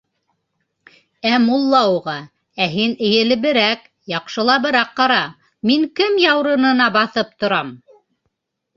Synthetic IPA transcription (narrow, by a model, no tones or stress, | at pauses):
æmulˠːɑuʁɑ | æɦinɘ̆jɘ̆lɘ̆βɘ̆ɾæk | jɑqʃɤ̆lˠɑbɘ̆ɾæqːɑɾɑ | miŋkɘmjɑwɾɤ̆nɤ̆nɑbɑθɤp̚t̪ŏɾɑm